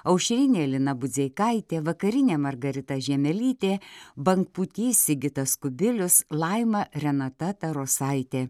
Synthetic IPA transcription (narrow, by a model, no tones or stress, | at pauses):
ɐʊʃʲɾʲɪnʲeːlʲɪnɐbʊzʲeɪkɐɪt̪ʲeːʋɐkɐɾʲɪnʲeːmɐɾɡɐɾʲɪt̪ɐʒʲɛmʲɛlʲiːt̪ʲeːbɐŋkput̪ʲiːsʲɪɡʲɪt̪ɐskʊbʲɪlʲʊslˠɐɪmɐɾʲɛnɐt̪ɐt̪ɐɾoːsɐɪt̪ʲeː